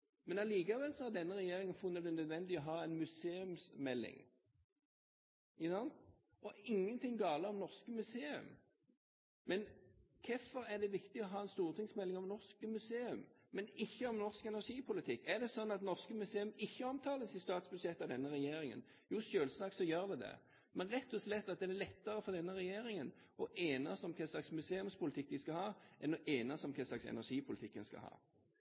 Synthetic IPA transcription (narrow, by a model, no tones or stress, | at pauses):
mɛnɑliːkɑʋɛlsɔhɑd̪ɛnːəʁɛjeːɾɪŋənfʊnːəd̪ɛnœd̪ʋɛnd̪ɪɔɦɑːɛɪnmʉseːʉmsmɛlːɪ̰ŋ | nɑn | ɔɪŋːənt̪ʰɪŋɡɑːləʁɔmnɔʁskəmʉseːʉ̰m | mɛnkʰɛfɔɾæd̪ɛʋɪkt̪ɪɔɦɑːɛnst̪uːʁt̪ʰɪŋsmɛlːɪŋɔmnɔʁskəmʉseːʉm | mɛnɪçːəɔmnɔʁskɛnæʁʂiːpʰʊlɪt̪ʰɪkːæd̪ɛsɔnːɑt̪nɔʁskəmʉseːʉmɪçːəɔmt̪ʰɑːləsɪst̪ɑːt̪sbʉd̪ʂɛt̪ːɑʋd̪ɛnːəɾɛjeːɾɪŋə̰n | juːʃøːlsɑːksɔjøːʁd̪ɛd̪ɛ̰ | mɛnɾɛt̪ːɔslɛt̪ːɑt̪̚d̪ɛnælɛt̪ːəʁəfɔd̪ɛnːəʁɛjeːɾɪŋən | ɔʔeːnɑsɔmkʰɛslɑksmʉseːʉmspʊlɪt̪ʰɪkːʋɪskɑhɑːʔɛnɔʔeːnɑsɔmkʰɛslɑksɛ̰næʁʂiːpʰʊlɪt̪ʰɪkːənskɑ̰hɑ̰ː